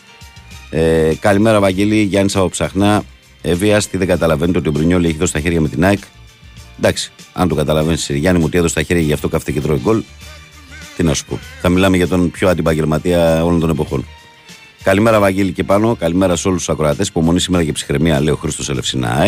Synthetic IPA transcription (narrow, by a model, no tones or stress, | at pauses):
ekɐlime̞ɾɐvɐɟeliʝɐnisɐpopsɐxnɐ | eviɐst̪iðe̞ŋɡɐt̪ɐlɐve̞nit̪eot̪io̞bɾuɲolie̞çiðosi̥t̪ɐçe̞ɾʝɐmet̪inɐik | d̪ɐksi̥ɐ̰nt̪okɐt̪ɐlɐvenisiiʝɐnimuot̪ieðost̪ɐçe̞ɾʝɐʝɐft̪o̞kɐft̪ecet̪ɾo̞iɡo̞l | t̪inɐsu̥po̞̰θɐmilɐmeʝɐt̪o̞npçoɐnd̪ibɐɲɟelmɐt̪iɐo̞lont̪o̞ne̞po̞xo̞̰n | kɐlime̞ɾɐvɐɟelice̞pɐno̞kɐlime̞ɾɐso̞lust̪ːsɐkɾoɐt̪esi̥po̞mo̞nisime̞ɾɐcepsi̥xɾemiɐleoxɾist̪o̞sele̞fsinɐ̰i